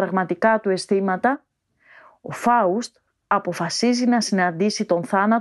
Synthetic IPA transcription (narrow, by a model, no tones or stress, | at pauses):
ɾɐɣmɐt̪ikɐt̪ue̞st̪imɐt̪ɐ | o̞fɐust̪ | ɐpo̞fɐsizinɐsinɐnd̪isit̪o̞nθɐnɐt